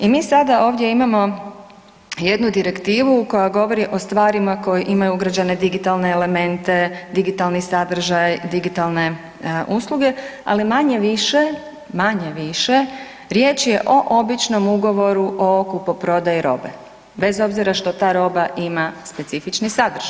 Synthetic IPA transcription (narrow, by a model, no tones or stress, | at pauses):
imiːsad̪ao̞ːʋd̪je̞imamo̞ | je̞d̪nud̪iɾe̞kt̪iːʋuko̞jaɡo̞ʋo̞ɾiʔo̞st̪ʋaːɾimako̞jiʔimajuuɡɾad͡ʑane̞d̪iɡit̪alˠne̞ːle̞me̞nt̪e̞d̪iɡit̪alnisad̪r̩ʒajd̪iɡit̪alˠne̞ | ʔuslˠuɡe̞a̰limaɲe̞ʋiʃe | maɲeʋiʃe̞ | ɾje̞ːt͡ʃje̞ʔo̞ʔo̞bit͡ʃno̞muɡo̞ʋo̞ɾuʔo̞kupopɾo̞d̪ajiɾo̞̰ːbḛ | be̞zo̞bziɾaʃt̪o̞t̪aːɾo̞ːbaʔimaspe̞t̪sifit͡ʃnisad̪r̩ʒ̥aj